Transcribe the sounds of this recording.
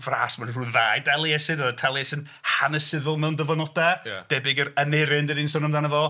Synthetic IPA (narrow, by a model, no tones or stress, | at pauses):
vraːsmanruðaːjdɛlˠiɛsɨnəðtʰɛlˠiɛsɨn | hanəsɪðʊlˠmɛwndəvɔnɔdad̥ɛbɪɡəɾənɪɾɪndəninsɔnəmðanəvɔ